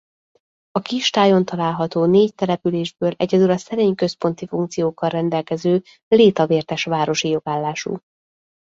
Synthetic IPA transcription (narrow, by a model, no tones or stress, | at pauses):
ɒkiʃt̪aːjo̞nt̪ɒlaːlɦɒt̪oːneːct̪ɛlɛpyleːʒbøːlʔɛ̰ɟɛd̪ylɒsɛɾeːɲkø̞spo̞n̪t̪ifuŋkt̪sijoːkːɒrrɛnd̪ɛlkɛzøː | leːt̪ɒveːrt̪ɛʃʋaːɾo̞ʃijo̞ɡaːlːaːʃṵ